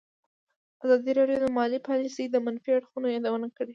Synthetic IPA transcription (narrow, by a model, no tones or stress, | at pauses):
azɑd̪iɾɑɖjod̪əmɑlipɑlisejd̪əmanfiaɽxunojɑd̪awənakəɽe